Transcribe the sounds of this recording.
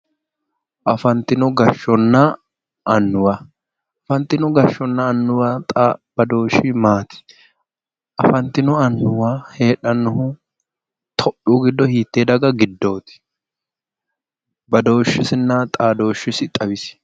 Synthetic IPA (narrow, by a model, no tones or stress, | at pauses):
ʔɐfɐnt̪ɪnʊɡɐʃːɔnːɐː | nːʊwa | ɐfɐnt̪ːɪnʊɡɐʃːɔnːɐːnːʊwat̪ʼːbɐd̪o̞ːʃɪmaːt̪ɪ̥ | ʔɐ̰fɐnt̪ɪnʊɐnːʊwaːhe̞ːᶑɐnːʊhʊ | t̪ʰɔʔuːɡɪd̪ːɔhiːt̪ːeːd̪ɐɡɐɡɪd̪ːo̞ːt̪ɪ̥ | bɐd̪o̞ːʃːɪsɪnːɐt̪ʼaːd̪o̞ːʃɪsɪt̪ʼɐβɪsɪ̥